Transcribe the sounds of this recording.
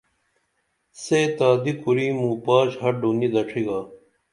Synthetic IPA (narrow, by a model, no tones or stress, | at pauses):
seːt̪aːd̪ikuɾiːmũːpaːɕhɐɾɖunid̪ɐʈ͡ʂʰiɡaː